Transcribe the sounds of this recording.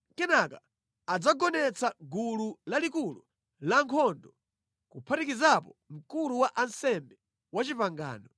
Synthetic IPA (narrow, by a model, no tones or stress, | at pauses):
kɛnaka | ad͡zaɡɔnɛt͡saɡululalikulṵ | laŋkʰɔndɔ | kupʰatikizapɔm̩kuluwaʔansɛmbɛ | wat͡ʃipaŋɡa̰ːnɔ